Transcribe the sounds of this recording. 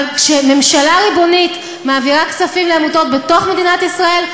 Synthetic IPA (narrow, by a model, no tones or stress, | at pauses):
lkʃe̞me̞mʃalaʁibo̞nit | maːviʁaksafimleamuto̞t̚be̞to̞χme̞d̪inatisʁae̞l